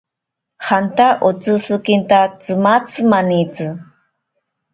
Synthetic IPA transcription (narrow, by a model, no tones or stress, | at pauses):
hant̪aʔot͡sɨsɨkint̪at͡sɨmat͡sɨmanit͡sɨ